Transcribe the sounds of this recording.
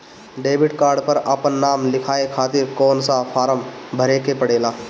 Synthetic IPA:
ɖeːbɪʈkaːɾɖpəɾəpənːaːmlɪkʰaːekʰaːt̪ɪɾkɔːnsapʰaːɾəmbʱəɾekepəɽeːlaː

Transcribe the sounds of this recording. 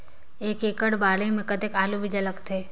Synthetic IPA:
eːkeːkəɽbaːlemẽkɐt̪ekaːlubʱid͡ʒɐləkt̪ʰeː

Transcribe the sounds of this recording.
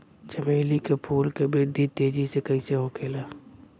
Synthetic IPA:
d͡ʒəmeːlikepʰuːlkebeːd̪ʱit̪eːd͡ʒisekɐĩseɦokʰeːlaː

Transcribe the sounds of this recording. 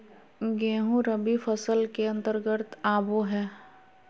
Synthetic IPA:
ɡẽːɦũɾəbifʰəsəlkeɐ̃nt̪əɾɡət̪aːboɦɛː

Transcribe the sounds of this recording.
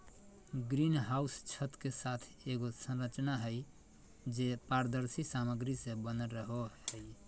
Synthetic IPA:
ɡɾinɦaust͡ʃʰət̪kesat̪ʰ | eɡosə̃nɾət͡ʃnaɦəj | d͡ʒepaɾd̪əɾsisaməɡɾisẽbənəɾəɦoɦəj

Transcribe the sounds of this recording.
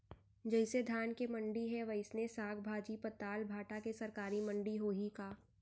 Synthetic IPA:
d͡ʒɐɪsed̪ʱaːnkemɐ̃ɳɖiɦɛʋɐɪsnesaːɡbʱaːd͡ʒipət̪aːlbʱaːʈakesɐɾkaːɾimə̃ɳɖiɦoːɦikaː

